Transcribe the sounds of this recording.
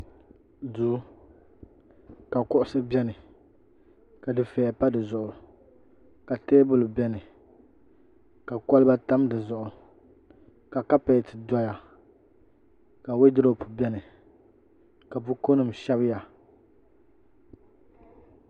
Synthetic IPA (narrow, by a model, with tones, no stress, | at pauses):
duː˨˦ | ka˨kʊ˦ʔʊ˦sɨ˦bʲɛ˦nɨ˨ | ka˨dɨ˨fɛ˨ɛ˨pa˦dɨ˨zʊ˨ʔʊ˨ | ka˨teː˦bʊ˦lʊ˨bɛ˦nɨ˨ | ka˨kɔ˦lɨ˦ba˦ta˦mdɨ˨zʊ˨ʔʊ˨ | ka˨ka˦pa˨tɨ˨da˦ja˨ | ka˨we˦dɪ˦ɾo˦˨pʊ˨bɛ˦nɨ˨ | ka˨bʊ˦ko˦nɨ˨mʃɛ˦bɨ˦ja˨